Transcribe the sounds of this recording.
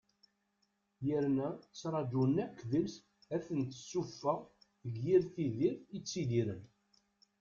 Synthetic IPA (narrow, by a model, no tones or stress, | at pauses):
jəɾnæt͡sːɾˤɑd͡ʒunːækːðəls | æθənt̪ə̥sːufːæʁ | əɡːiɾθiðiɾθit͡sːid̪iɾən